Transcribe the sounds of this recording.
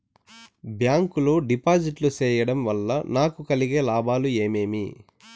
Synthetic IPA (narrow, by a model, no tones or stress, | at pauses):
bjaːŋkuloːɖipaːd͡ʒiʈlut͡ʃɛːjɐɽɐmʋɐlːɐnaːkukɐliɡeːlaːbaːlue̞ːme̞ːmi